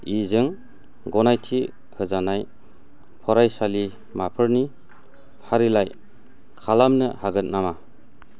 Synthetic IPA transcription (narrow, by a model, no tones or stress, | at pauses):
izɯŋ | ɡɔnajtʰi | hɯzanaj | pʰɔɾajsali | mapʰɯɾni | pʰaɾilaj | kʰalamnɯhaɡɯt̚nama